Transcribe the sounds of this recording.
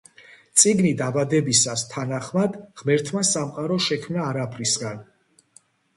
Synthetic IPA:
t̪sʼiɡnid̪abad̪ɛbisast̪ʰanaχmad̪ʁmɛɾt̪ʰmasamqʼaɾɔʃɛkʰmnaːɾapʰɾisɡan

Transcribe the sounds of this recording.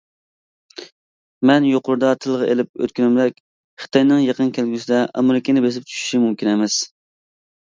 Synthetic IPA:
mɛnjoqʊɾud̪ɑt̪ʰɨlˠʁɑʔḛlɪp̚ø̰t̪̚kʲyɾɪmd̪ɛkʲ | χɨ̥t̪ʰɑjnɨŋjɑqənkʲʰelɡʲysɪd̪ɛʔɑ̰meɾɪkʲenɪbes̬ɪp̚t͡ʃʰy̥ʃy̥ʃimumkʲinɛmɛs

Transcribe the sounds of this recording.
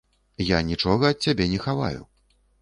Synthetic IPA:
janʲit͡ʂɔɣɐɐt̪̚ʲt͡sʲabʲɛnʲɛxava̰jṵ

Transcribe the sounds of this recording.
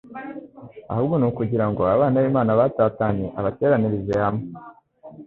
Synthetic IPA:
a̰hubɡonuːkuɟiɾaŋɡo̞aβaːnaβimaːnaβaːtaːtaɲe̞ʔaβate̞ːɾaniɾizehame

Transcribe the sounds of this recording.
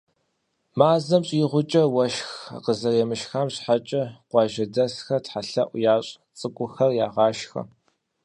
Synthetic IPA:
maːzɐmɕʼjɪʁʷʊt͡ʃʼɐwɐʃxa̰qəzɐrjɛmɨʃxaːmɕħat͡ʃʼɐqʷɑːʒɐdɐsxɐtħaɬɐʔʷjaːɕʼ | t͡sʼɨkʷʼʊxɐrjaːʁɑːʃxɐ̰

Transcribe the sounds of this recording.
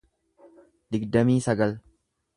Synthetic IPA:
d̪ɪɡd̪ɐmiːsɐɡɐl

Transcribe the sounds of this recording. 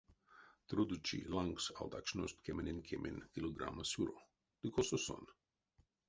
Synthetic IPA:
t̪ɾud̪ut͡ʃḭlaŋɡsa̰lˠd̪akt͡ʃnost̪kemenʲinkʲʰemʔenkʲiloɡɾa̰masjuɾo | d̪̥ikʰososo̰n

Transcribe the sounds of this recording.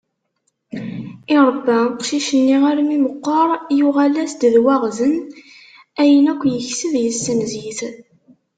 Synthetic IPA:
iɾˤəbːæqʃiʃənːiʁaɾmiməqːɑɾˤjuʁælæsd̪ðwæʁzən | æjənækʷːjəçsəðjəsːənziθ

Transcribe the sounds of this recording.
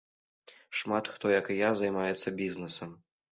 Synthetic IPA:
ʂmat̪xt̪ɔjɐkjazajmajɛt̪sːɐbʲiznɛsɐm

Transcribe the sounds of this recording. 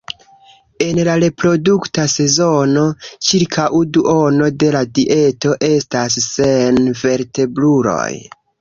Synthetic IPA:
e̞nlaɾe̞pɾo̞duktase̞zo̞no̞t͡ʃiɾkʰawduʔo̞no̞de̞ladiʔe̞to̞ʔe̞stasːe̞nve̞ɾte̞bluɾo̞̰j

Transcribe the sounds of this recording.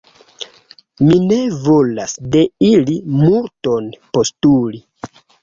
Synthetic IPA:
mine̞vo̞lasde̞ilimuɾto̞npo̞stuli

